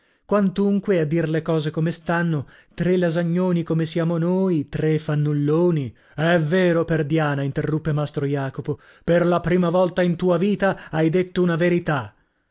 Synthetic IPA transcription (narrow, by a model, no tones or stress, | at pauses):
kwant̪uŋkwead̪ːirlekɔːzekomest̪anːo | t̪ɾelazaɲːoːnikomesjaːmonoːjt̪ɾefanːulːoːni | ɛvːeːɾoperd̪jaːnaint̪erːupːemast̪ɾojaːkopo | perlapɾiːmavɔlt̪aint̪uːaviːt̪aajd̪et̪ːounaveɾit̪a